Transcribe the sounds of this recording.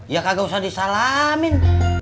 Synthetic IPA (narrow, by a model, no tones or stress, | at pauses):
jakaɡausadisalamin